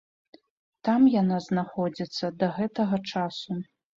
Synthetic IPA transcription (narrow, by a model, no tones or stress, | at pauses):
t̪amjanaznaxɔd͡zʲit̪sːɐd̪ɐɣɛt̪ɐɣɐt͡ʂasu